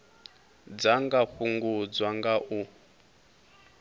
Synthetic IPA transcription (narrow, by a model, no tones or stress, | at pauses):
d͡zaŋɡaɸuŋɡud͡zwaŋɡaʔu